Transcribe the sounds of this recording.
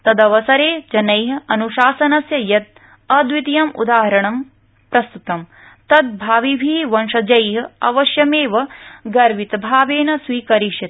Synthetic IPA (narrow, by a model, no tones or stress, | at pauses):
t̪ɐd̪ɐʋɐsɐɾeːd͡ʒɐnɐjɦɐɐnuʃaːsɐnɐsjɐjɐt̪̚ | ɐd̪ʋit̪ijɐmṵd̪aːɦɐɾɐɳɐm | pɾɐst̪ut̪ɐm | t̪ɐd̪̚bʱaːʋibʱiːʋɐnʃɐd͡ʒɐjɦɐ̆ɐʋɐʃjɐmeːʋɐɡɐɾʋit̪ɐbʱaːʋeːnɐsʋiːkɐɾiʂɐt̪